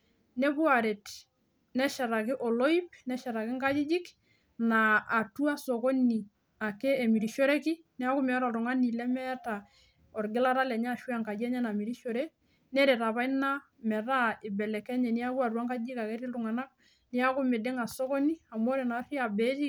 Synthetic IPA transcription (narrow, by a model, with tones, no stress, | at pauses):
nɛ˦bu˦a˨ɾe˨t | nɛ˦ʃɛ˨ɾa˨kɪ˦ʔɔ˨lo˦i˦pnɛ˦ʃɛ˨ɾa˨kɪ˦ŋka˦d͡ʒi˦d͡ʒi˦k | naː˨tu˦a˦so˨ko˦ni˨ | a˨ke˦e˨mi˨ɾi˨ʃo˦ɾɛ˦kɪ˦ | nɛ˦a˦kʊ˦mɛ˨˦ɾa˨tʊ˨ŋa˦ni˨lɛ˦mɛ˦ta˨ | ɔ˨ɾɡɪ˦la˦ɾa˦lɛ˨ɲa˦˨ʃwa˦˨ŋka˨d͡ʒɛ˦ɲɛ˦na˨mi˨ɾi˦ʃo˨ɾɛ˦ | nɛ˦ɾe˨ta˨βa˦i˦na˦ | mɛ˨ɾa˦ɪ˨bɛ˨lɛ˨kɛ˦ɲɛ˨ni˦a˦ku˦a˨ɾu˦a˦ŋka˦d͡ʒi˦ka˨kɛ˦ɾi˦ltʊ˨ŋa˨na˦k̚ | ni˦a˦kʊ˦mɪ˨dɪ˦ŋa˨so˦ko˦ni˦a˨mo˦ɾe˨na˨˦ri˦a˨bɛ˨˦ti˦